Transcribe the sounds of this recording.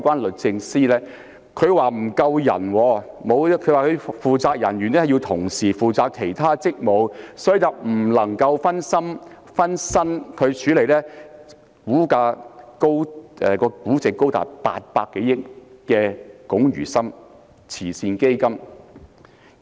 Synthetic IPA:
kʷaː˥nlɵ˨t̚t͡sɪ˧ŋsiː˥lɛː˥ | kʰɵ˨˧ɥwaː˨˩m̩˨˩kɐ˧wjɐ̰˨˩nwɔː˨˧ | mo˨˧wkʰɥwaː˨˩kʰɵ˨˧ɥfuː˨t͡saː˧k̚jɐ̰˨˩nɥyː˨˩nɛ˥˨˩ji˧wt̪ʰʊ˨˩ŋsiː˨˩fuː˨t͡saː˧kʰe˨˩jt̪ʰaː˥t͡sɪ˥k̚mo˨˧wsɔː˨˥˨ɐ˨pm̩˨˩lɐ˨˩ŋkɐ˧wfɐ˥nsɐ˥m | fɐ˥nsɐ˥nkʰɵ˨˧ɥt͡ʃʰyː˨˥le˨˩jlɛː˥ | kuː˨˥kaː˧ko˥wʔɛ˨˩kɔː˧kuː˨˥t͡sɪ˨kːo˥wt̪a̰ː˨˩pa̰ː˧t̚paː˧kːe˨˥jɪ˥k̚ːɛː˧kʊ˨˥ŋjy̰ː˨˩sɐ˥m | t͡sʰiː˨˩siː˧nke˥jkɐ˥m

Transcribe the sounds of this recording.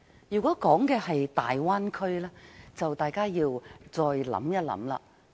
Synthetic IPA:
jyː˨˩kʷɔː˨˥kɔː˨˥ŋkɛː˧hɐ˨jt̪aː˨jwaː˥nkʰɵ˥ɥlɛː˥t͡sɐ˨wt̪aː˨˩jkaː˥jiː˧wt͡sɔː˧jlɐ̰˨˥mjɐ˥t̚lɐ̰˨˥mla̰ː˨

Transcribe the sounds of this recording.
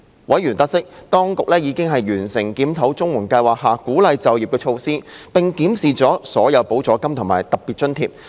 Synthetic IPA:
wɐ˨˥jɥyː˨˩nt̪ɐ˥k̚sɪ˥k̚t̪ɔː˥ŋkʊ˨k̚lɛː˥jiː˨˧kɪ˥ŋɦɐ˨jɥyː˨˩nsɪ˨˩ŋkiː˨˥mt̪ʰɐ˨˥wt͡sʊ˥ŋwʊ˨˩ŋkɐ˧jwaː˨k̚haː˨˩kuː˨˥lɐ˨˧jt͡sɐ˨wjiː˨p̚kɛː˧t͡ʃʰo˧wsiː˥pɪ˨ŋkiː˨˥msiː˨t͡sɔː˨˥sɔː˨˥jɐ˨˧wpo˨˥wt͡sɔː˨˥kɐ˥mt̪ʰʊ˨˩ŋmaː˨˩jt̪ɐ˨˩k̚piː˨t̚t͡ʃɵ˥nt̪ʰiː˧˩p̚

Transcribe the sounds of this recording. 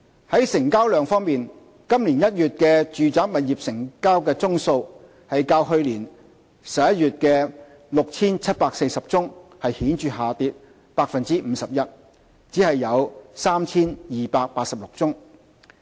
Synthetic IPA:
hɐ˨˥jsɪ˨˩ŋkaː˥wlœː˨ŋfɔː˥ŋmiː˨n | kɐ˥mliː˨˩njɐ˥t̚jyː˨t̚kɛː˧t͡ʃyː˨t͡saː˨˥k̚mɐ˨t̚jiː˨˩p̚sɪ˨˩ŋkaː˥wkɛː˧t͡sʊ˥ŋso˧w | hɐ˨jkaː˧wɦɵ˧ɥliː˨˩n | sɐ˨p̚jɐ˥t̚jyː˨t̚kɛː˧ | lʊ˨k̚t͡sʰiː˥nt͡sʰɐ˥t̚paː˧k̚se˧jsɐ˨p̚t͡sʊ˥ŋhɐ˨jhiː˨˥nt͡ʃyː˨haː˨t̪iː˧t̚ | paː˧k̚fɐ˨nt͡siː˥m̩ː˨˧sɐ˨p̚jɐ˥t̚ | t͡siː˨˥hɐ˨jːɐ˨˧wsaː˥mt͡sʰiː˥njiː˨˩paː˧k̚paː˧t̚sɐ˨p̚lʊ˨k̚t͡sʊ˥ŋ

